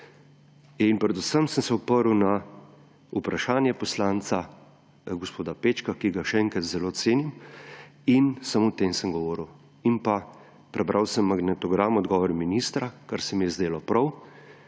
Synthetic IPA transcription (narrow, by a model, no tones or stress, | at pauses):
inpɾɛd̪usəmsəmsɛupəɾuwna | upɾaʃaːnjɛpɔslaːnsa | ɡɔspoːd̪apeːt͡ʃkakiɡaʃɛɛŋkɾat̪zɛloːt̪seːnim | insamoɔt̪eːmsəmɡɔʋɔːɾuw | impa | pɾɛbɾʔawsəmːaɡnɛt̪ɔɡɾamɔd̪ɡɔːʋɔɾminist̪ɾakaɾsɛmjɛzd̪eːlɔpɾɐw